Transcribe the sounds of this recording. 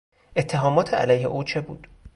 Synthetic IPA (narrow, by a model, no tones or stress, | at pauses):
ʔet̪ʰːeɦɒːmɒːt̪ʰeæ̰læjhḛʔuːt͡ʃʰe̞bṵːd̪̥